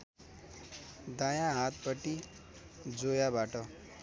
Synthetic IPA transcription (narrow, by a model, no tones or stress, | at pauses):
d̪ajãɦat̪̚pʌʈi | d͡zojabaʈʌ